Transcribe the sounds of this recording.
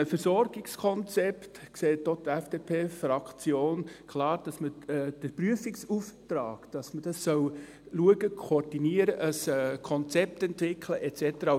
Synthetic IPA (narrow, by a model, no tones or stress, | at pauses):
əfəɾsɔɾɡ̥ɪkskʰɔnt͡sɛptkseːt̚ːot̪ɛfd̥eːpʰeːfrɑkt͡sjoːnkʰlɑːɾd̥ɑsməd̥əpryəfɪksuftɾaːkd̥ɑsməd̥ɑsːœw | luəɡəkʰoɾd̥iniəɾəʔəskʰɔnt͡sɛp̚t̪ɛntʋɪkʰləʔɛt͡sɛtəɾɑ